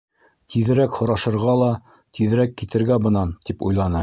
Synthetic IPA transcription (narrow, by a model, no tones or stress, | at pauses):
t̪ʰiðɘ̆ɾækhŏɾɑʃɤ̆ɾʁɑlˠɑ | t̪iðɘ̆ɾækːit̪ɘ̆ɾɡæbɤ̆nɑnt̪ipṵjlˠɑnɤ